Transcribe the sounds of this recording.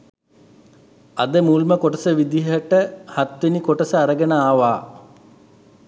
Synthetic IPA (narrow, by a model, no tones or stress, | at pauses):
ad̪əmuːlməkoʈəsəʋid̪iɦəʈəhat̪ʋenikoʈəsəaɾəɡənəaːʋaː